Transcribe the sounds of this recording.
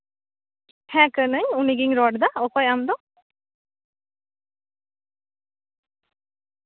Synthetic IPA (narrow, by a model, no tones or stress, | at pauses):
hɛːkənəɲuniɡiŋɾɔɖd̪aokojamd̪o